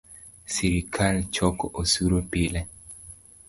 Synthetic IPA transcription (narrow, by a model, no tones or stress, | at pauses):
siɾikʰalt͡ʃɔkɔʔosuɾopilɛ